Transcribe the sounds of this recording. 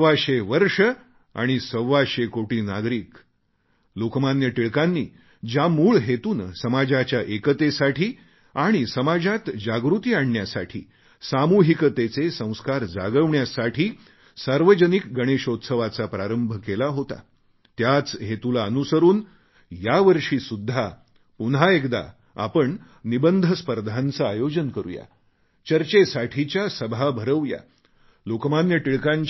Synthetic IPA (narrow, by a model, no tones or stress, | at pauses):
əʋaɕeʋəɾʂə | a̰ɽ̃isəʋaɕekoʈiːnaɡɾiːk | lokmanjəʈiɭkanːḭː | d͡ʑjamuːɭɦet̪uːnsəmad͡ʑat͡ɕjaʔekət̪esaʈʰiː | aɽ̃isəmad͡zat̪d͡ʑaɡɾut̪iːaɳːjasa̰ʈʰḭː | samuɦikət̪et͡sesə̃w̃skaɾd͡za̰ɡəʋɳjasaʈʰiː | saɾʋəd͡ʑənikɡəɽ̃eɕot̪səʋat͡sapɾaɾəmbʱkelaɦot̪a̰ | t̪jat͡sɦet̪ulaənusəɾuːn | jaʋəɾʂiːsud̪ʱːa | punɦaekd̪a̰ | a̰pəɳ | nibənd̪ʱəspəɾd̪ʱant͡saːjod͡ʑənkəɾṵja̰ | t͡ɕəɾt͡ɕesaʈʰit͡ɕjasəbʱabʱəɾəʋja̰ | lokmanjəʈiɭkãɲt͡ɕ